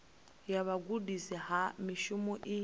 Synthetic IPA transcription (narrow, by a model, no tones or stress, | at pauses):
jaβaɡudisiɦamiʃumɔʔi